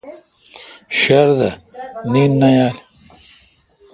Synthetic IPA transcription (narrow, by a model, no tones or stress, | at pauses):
ɕɐɾd̪ɐ̰niːnːɐjaːl